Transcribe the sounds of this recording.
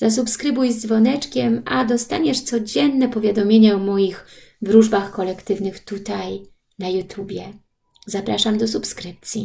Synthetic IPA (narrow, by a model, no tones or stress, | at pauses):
z̥as̬upskɾɘbujzzvɔnɛt͡ʂkʲɛmad̪ɔst̪aɲɛʂt̪sɔd͡ʑɛnːɛpɔvʲjad̪ɔmʲjeɲaɔmɔjixvɾuʐbaxkɔlɛkt̪ɘvnɘxt̪ut̪aj | najut̪ʰubʲjɛ | zapɾaʂamd̪ɔsupskɾɘp̚t̪sʲjḭ